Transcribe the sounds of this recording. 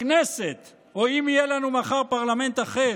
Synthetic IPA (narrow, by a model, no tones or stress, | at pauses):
neset̪ | oimijelanumaχaʁpaʁlame̞nt̪aχe